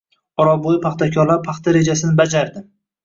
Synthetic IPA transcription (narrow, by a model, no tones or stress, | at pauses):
ɒɾɒbojɪpʰaχt̪ʰakʲʰɒɾlaɾpʰaχt̪ʰaɾe̞d͡ʒasɪnɪbad͡ʒaɾd̪ɪ